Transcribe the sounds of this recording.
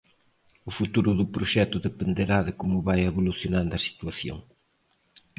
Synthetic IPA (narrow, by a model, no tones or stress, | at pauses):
ʊfut̪uɾʊðʊpɾoʃɛt̪ʊðepend̪eɾaðɪkomʊβajeβoluθjonãnd̪ɐsi̥t̪uaθjo̰ŋ